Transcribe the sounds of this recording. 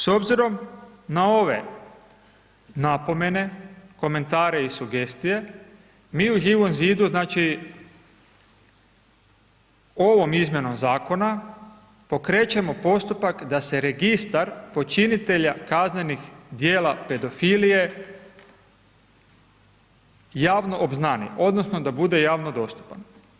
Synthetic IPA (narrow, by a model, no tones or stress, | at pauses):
so̞bziɾo̞mnao̞ʋe̞̰ | napo̞me̞ne̞ko̞me̞nt̪aːɾe̞isuɡe̞st̪ije̞ | miːuʒiːʋo̞mziːd̪uznaːt͡ʃi | oʋo̞mizmʲje̞no̞mzaːko̞na | po̞kɾe̞ːt͡ʃemo̞po̞st̪upakd̪ase̞ɾe̞ɡist̪aɾpo̞t͡ʃinit̪e̞ʎakazne̞nixd̪jeːlape̞d̪o̞filije̞ | jaːʋno̞ʔobznanḭʔo̞d̪nosno̞d̪abud̪e̞jaːʋno̞d̪o̞st̪u̥pan